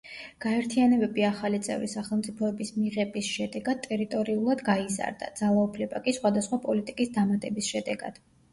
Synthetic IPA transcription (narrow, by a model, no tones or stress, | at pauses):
ɡ̥aɛɾt̪ʰianɛbɛbiaχalit̪sʼɛ̰vɾisaχɛlˠmt̪sʼipʰɔɛbismiʁɛbisʃɛd̪ɛɡad̪̚t̪ʼɛɾit̪ʼɔɾiulˠad̪ɡaiza̰ɾd̪a̰d̪z̥alˠaupʰlɛba̰kʼisχwad̪asχwapʼɔlit̪ʼikʼisd̪amat̪ʼɛbisʃɛd̪ɛɡa̰d̪̥